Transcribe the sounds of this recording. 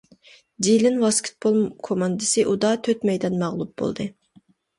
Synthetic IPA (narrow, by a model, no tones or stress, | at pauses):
d̪ilɪnwɑskʲʰi̥t̪̚bolˠkʰomɑnd̪ɨsɨʔud̪ɑt̪ʰøt̪mɛjd̪ɛnmɑʁlˠup̚bo̰lˠd̪ɨ